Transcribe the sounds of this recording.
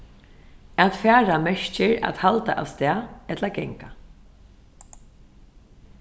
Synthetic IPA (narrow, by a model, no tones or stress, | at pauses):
aðfɛːɹamɛʂcɪɹa̰t̪halt̪a̰ʔavst̪ɛːɛt̪laɡɛŋka